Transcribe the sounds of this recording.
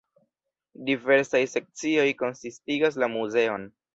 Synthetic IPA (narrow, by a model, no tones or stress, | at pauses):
dive̞ɾsajse̞k̚t͡sio̞jko̞nsistiɡas̬lamuze̞o̞n